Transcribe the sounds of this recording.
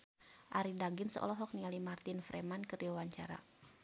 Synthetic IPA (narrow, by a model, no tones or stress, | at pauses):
ʔaɾidaɡɪnsəʔɔ̰lɔɦɔk̚nialimart̪ɪnfɾɛmankəriwawaɲt͡ʃaɾa̰